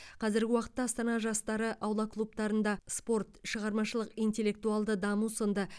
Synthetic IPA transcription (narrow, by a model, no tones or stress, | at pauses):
qʰɑzɪɾɡʲɪwɑqə̥t̪ːɑːst̪ɑnɑʒɑst̪ɑɾəʔɑwlˠɑklˠup̚t̪ɑɾənd̪ɑspo̞rt̪ʃəʁɑɾmɑʃəlˠəqijnt̪e̞lːe̞k̚t̪uɑlˠd̪əd̪ɑmusond̪ə